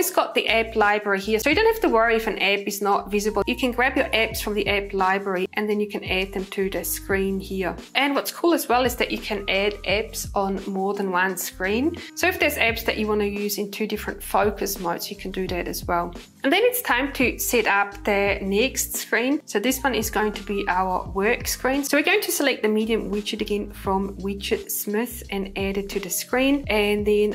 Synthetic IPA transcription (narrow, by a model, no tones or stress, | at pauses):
ɪzɡ̥ɔʔ̪̚ðiʔɛblˠaɪbɹəɹihiəsojɨdõʊ̃nthæftəwɜ˞iɪfɨ̃nʔɛbɨznəʔvɪzɨbəl̩ˠjɨkʰɨ̃nɡɹæbjə˞ʔɛbsfɹʌ̃mðiʔɛblˠaɪbɹə˞iʔə̃nðɨ̃njɨkʰə̃ɨ̃næd̪̚ðɨ̃mtʰɨðɨskɹĩnhiɹʔə̃nwʌtskʰulˠəzwɛlˠɪzðɨʔt͡ʃɨkʰɨ̃nædʔɛbsn̩mɔɹðə̃nwʌ̃nskɹĩnsoʊɪfðə˞zɛbz̥ðɨt͡ʃɨwɑ̃nɨjʉːzɪ̃ntʰʉdɪfɹə̃ntfoʊkʰəsmatsjɨkʰə̃n̩dʉðɨɾɨzwɛlˠ | ʔə̃nðɨ̃nɪtstʰãɪ̃mtʰɨsɛɾʌp̚ðɨnɛkstskɹĩnsoʊðɪswʌ̃nɪzɡoʊɪ̃ŋtʰəbiʔaʊə˞wɜ˞kskɹ̥ĩnsoʊwɨəɹɡoʊɪ̃ŋtʰəsəlˠɛk̪̚ðəmiɾiə̃mwɪt͡ʃɨɾɨɡɛ̃nfɹə̃mwɪt͡ʃəd̥smɪθ | ɨ̃nɛɾɨd̚tʰɨðɨskɹĩnʔɨ̃nðɨ̃n